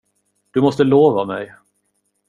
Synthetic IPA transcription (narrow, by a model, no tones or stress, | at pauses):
d̪̥ɵmɔst̪əloːvamɛj